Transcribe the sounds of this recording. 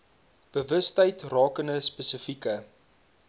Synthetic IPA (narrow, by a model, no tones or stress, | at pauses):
b̥əvəstəjtrɑːkəndəspəsəfikə